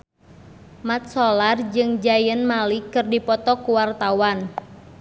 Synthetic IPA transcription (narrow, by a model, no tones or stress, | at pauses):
mat̪̚sɔlard͡ʒɨŋd͡ʒajənmalikɨrdipɔt̪ɔkuwart̪awan